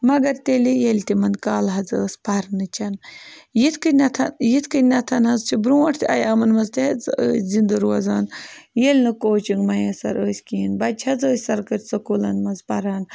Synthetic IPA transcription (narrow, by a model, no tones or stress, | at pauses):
mɐɡɐɾt̪elijelʲt̪imɐnkaːlɦɐd͡zəːspɐɾnɨt͡ʃʰɐnjit̪ʰkɨnɐt̪ʰɐnjit̪ʰkɨnɐt̪ʰɐnhɐzt͡ʃʰibɾuːʈʰt̪ʰʲɐ̰jɐmɐnmɐzt̪ʲeɐt͡sə̰ːsʲzind̪ɐɾuɐzaːnjelʲnɨkoːt͡ʃiŋɡmɐjɐsɐ̰ɾəːsʲkinbɐt͡ʃʰhɐd͡zəːsʲsɐɾkɐɾʲsɐkuːlɐnmɐnzpɐɾaːn